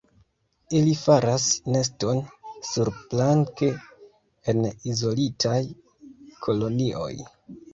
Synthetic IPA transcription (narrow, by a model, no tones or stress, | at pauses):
ilifaɾasne̞s̬to̞nsuɾplaŋke | enizo̞litʰaj | kʰo̞lo̞niʔo̞̰j